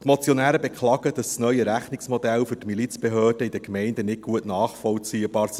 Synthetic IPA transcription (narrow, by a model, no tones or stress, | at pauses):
t̪mot͡sjɔnæːɾəbekχlɑːɡəd̥ɑssnœʏəɾæχnɪksmɔdɛlfɵrtmilit͡sb̥eɦøːrd̥əid̪əkmɛɪndənɪt̚ɡ̥uətnɑːχfɔlt͡siəb̥ɑːɾs